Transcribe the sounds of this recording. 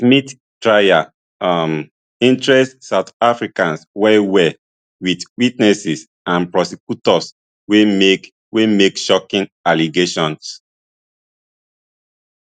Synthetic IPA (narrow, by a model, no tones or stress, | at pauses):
smit | tɹaja | m | ĩntɹɛstsatafɹikãnswɛwɛ | witwitnɛsis | ãnpɹɔsikjutɔs | we | wemekʃɔkĩnaliɡeʃɔ̃ns